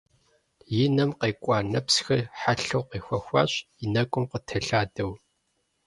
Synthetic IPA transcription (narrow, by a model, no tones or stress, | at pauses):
jɪnɐmqeːkʷʼɑːnɐpsxɐrħaɬɐwqeːxʷɐxʷɑ̰ːɕ | inɐkʷʼʊmqətʰɐɬaːdɐw